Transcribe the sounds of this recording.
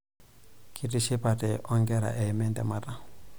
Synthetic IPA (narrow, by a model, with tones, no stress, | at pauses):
kʰi˦ti˨ʃi˦pa˨tɛ˨ʔɔ˦ŋɡɛ˦ɾa̰˨ʔɛ˨mɛ˦ndɛ˨ma˨ta˦